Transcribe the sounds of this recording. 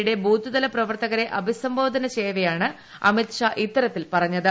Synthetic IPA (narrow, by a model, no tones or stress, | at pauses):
ɽe̞buːd̪ʱiðɐlɐprɐʋɐrt̪ɐɣɐɾe̞ʔɐbʱisɐmbo̞ːd̪ʱɐnɐt͡ɕeːʋɐjaːɳɨ | ɐ̰mit̪ʂaːʔit̪ːɐɾɐt̪ːilpɐrɐɲːɐðɨ